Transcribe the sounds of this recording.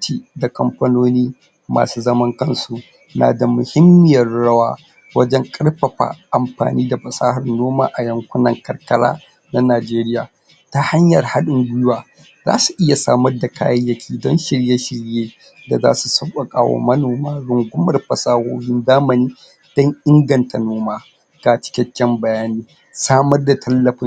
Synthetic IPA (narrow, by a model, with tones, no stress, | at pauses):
tiː˨da˨kɐ˨mɸɐ˦noː˦niː˦ | ma̰ː˨suː˦zɐ˦mɐ˦ŋkɐ˦nsu˨ | na̰ː˨da˨mʊ˨hɪ˦mːɪ˦jɐ˨rɽɐ˦waː˦ | wɐ˦d͡ʒɛ˦ŋkʼɐ˦rɸɐ˨ɸa̰ː˨ʔa˨mɸa̰ː˨niː˦da˨ɸɐ˨saː˦hɐ˨rnoː˦ma̰ː˨ʔa˨jɐ˨ŋkʷʊ˦nɐ˨ŋkɐ˨rkɐ˦la̰ː˦ | na˦naː˨d͡ʒeː˦ɾɪ˦jaː˨ | ta˦ha˦ɲjɐ˨rha˦ɗʊ˨ŋɡʷʊ˦jʊ˦waː˨ | za̰ː˦su˨ʔɪ˦ja˨saː˦mɐ˦rda˨kʰa̰ː˦jɐ˦jjɐ˦kʲiː˦dɔ˦nʃɪ˨ɽje˦ʃɪ˨ɽjeː˦ | da˨za̰ː˦su˨sɐ˦kʷʼa˨kʼaː˦wo̰˦mɐ˦noː˨maː˦ɽʊ˨ŋɡʷʊ˦mɐ˨rɸɐ˨saː˦hoː˦hɪ˦ndaː˦mɐ˨niː˦ | d̥ɔ˦ŋʔɪ˦ŋɡɐ˨nta˨noː˦maː˦ | ɡ̥a˨t͡ʃɪ̥˦kʲɛ˦kʲːɛ˦mbɐ˨jaː˦niː˦ | saː˦mɐ˦rda˨tʰɐ˦lːɐ˨ɸɪ˦